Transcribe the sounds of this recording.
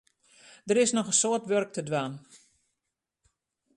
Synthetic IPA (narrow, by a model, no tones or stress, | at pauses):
d̥əɾɪsnɔxənsoətʋørk̚tʰədʋaːn